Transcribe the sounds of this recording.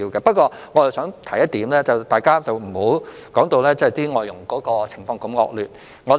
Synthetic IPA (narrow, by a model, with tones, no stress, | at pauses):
iː˧wkɛ˧pɐ˥t̚kʷɔː˧ | ŋɔː˨˧t͡ssœː˨˥ŋt̪ʰɐ˨˩jɐ˥t̚t̪iː˨˥mlɛː˥t͡sɐ˨wt̪aː˨jkaː˥t͡sɐ˨wm̩˨˩ho˨˥w | kɔː˨˥ŋt̪o˧wlɛː˥t͡sɐ˥˨˩jt̪iː˥ŋɔː˨˩jʊ˨˩ŋkɔː˨˥kɔː˧t͡sʰɪ˨˩ŋfɔː˧ŋkɐ˧mŋɔ̰ː˧k̚lyː˨t̚ | ŋɔː˨˧